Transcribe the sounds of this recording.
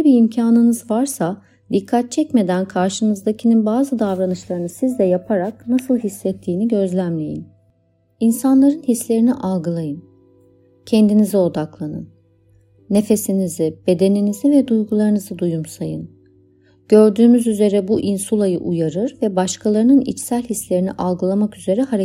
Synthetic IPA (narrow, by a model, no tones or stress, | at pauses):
biimcʰaːnɯnɯzvaɾsa | d̪ikʰːat̪̚t͡ʃʰɛcme̞d̪ænkʰaɾʃɯnɯzd̪acʰininbaːzɯd̪avɾanɯʃlˠaɾɯnɯsizd̪ɛjapʰaɾak̚nasɯlˠɦisːɛt̪ʰːiːniɟø̞zlʲæmlʲe̞̰jḭn | insanlˠaɾɯnhislʲe̞ɾiniʔalˠɡɯlˠajɯn | cʰɛnd̪inizio̞d̪aklˠanɯ̰nː | e̞fe̞sinizibe̞d̪e̞ninizivɛd̪ujɡulˠaɾɯnɯzɯd̪ujumsajɯn | ɟ̥ø̞ɾd̪yːmyzyze̞ɾɛbuʔinsulˠajɯʔujaɾɯɾvɛbaʃkʰalˠaɾɯnɯnḭt͡ʃsælʲhislʲe̞ɾinḭʔalˠɡɯlˠamakyze̞ɾɛhaɾe